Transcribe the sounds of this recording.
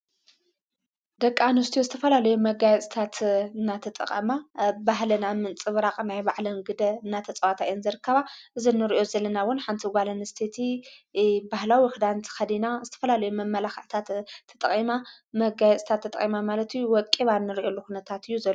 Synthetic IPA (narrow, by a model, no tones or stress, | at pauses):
d̪ɐkʼːanust̪ijuzɨt̪ʰɐfɐlalɐjumɐɡajɛt͡sʼi̥t̪ʰat̪ɨnːat̪ʰɐt̪ʼɐ̰χʼɐ̰mabaɦlɐnamɨnt͡sʼɨβɾaχʼnajbaʕlɐnɡɨd̪ɐɨnːat̪ʰɐt͡sʼɐwat̪ʰajonzɨɾɨkːɐβaʔɨzinːɨɾiʔo̞zɐlːɐnawʊnħant̪ʰiɡʷalɐnɨst̪ʰet̪ʰi | bahlawixɨd̪ant̪ʰxɐd̪inazɨt̪ʰɐ̥fɐlalɐjumɐmːɐlaxʕt̪ʰat̪ʰːɐ̥t̪ʼɐχʼima | mɐɡajɛt͡sʼt̪ʰat̪ʰːɐt̪ʼχʼimamalɐt̪ʰɨjːuwɔt̪kʼiβanːɨɾiʔo̞lːuxunɐt̪ʰat̪ɨjːuzɐlːo